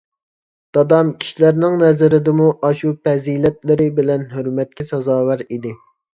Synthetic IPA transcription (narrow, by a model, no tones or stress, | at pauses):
d̪̥ɑd̪ɑmkʲʰi̥ʃilæɾnɪŋnɛzɪɾɪd̪ɪmuʔɑʃupʰɛzilɛt̪lɪɾɪbɪlɛnɦøɾmɛt̪̚kʲʰɛsɑzɑːwæɾid̪ɪ